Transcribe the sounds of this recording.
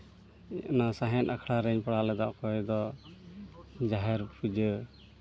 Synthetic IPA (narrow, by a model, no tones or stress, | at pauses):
ɛʔnasaɦɛnʔakʰɽaɾɛɲpɽalɛd̪aʔkɔjd̪ɔ | d͡ʒaɦɛɾpud͡ʒə